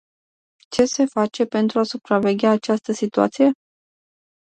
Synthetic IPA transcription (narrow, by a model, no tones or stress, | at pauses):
t͡ʃe̞se̞fat͡ʃe̞pe̞nt̪ɾuasupɾave̞ɡʲaːt͡ʃast̪əsit̪ua̰t̪sije̞